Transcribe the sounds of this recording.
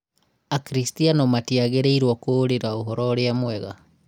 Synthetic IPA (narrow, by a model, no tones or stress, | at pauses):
akɾistianomatiaɣeɾeiɾwɔkoːɾeɾaoɦɔɾɔɾeamwɛɣa̰